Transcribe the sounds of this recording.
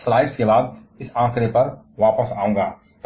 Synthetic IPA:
slaːɪɖskebaːd̪̚ɪsãːkʰɾepɐɾ | ʋaːpəsaːũːɡaː | t̪

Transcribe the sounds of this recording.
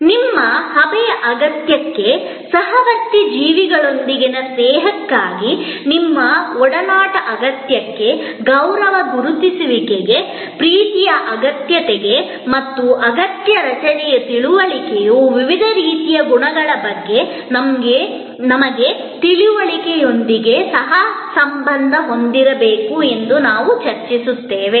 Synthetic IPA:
nimːɐhɐbɛjɐʔɐɡɐt̪jɐkːe̞ | sɐɦɐʋɐkt̪ːid͡ʒiːʋiɡɐɭo̞nd̪iɡinɐsneːɦɐkːaːɡi | nimːɐɔɽɐnaːʈɐʔɐɡɐt̪jɐkːe̞ | ɡɐwɾɐʋɐɡuɾut̪isuʋikeɡe̞ | pɾiːt̪ijɐʔɐɡɐt̪jɐt̪ɛɡe | mɐt̪ːuʔɐɡɐt̪jɐɾɐt͡ʃɐnɛjɐt̪iɭuʋɐɭikɛjuʋiʋid̪ʱɐɾiːt̪ijɐɡuɳɐɡɐɭɐbɐɡːe̞ | nɐmɡe | nɐmɐɡe̞ | t̪iɭuʋɐɭikejo̞nd̪iɡe̞sɐɦɐsɐmbɐnd̪ʱɐɦo̞nd̪iɾɐbeːkue̞nd̪unaːʋut͡ʃɐɾt͡ʃisut̪ːe̞ːʋe

